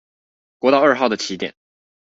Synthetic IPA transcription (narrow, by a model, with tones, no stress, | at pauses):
kwɔ˧˥t̪ɑ˥˧ʊə˞˥˧xɑ˥˩ʊd̪ə˩t͡ɕʰi˧˥t̪jɛ̰˨˩˦n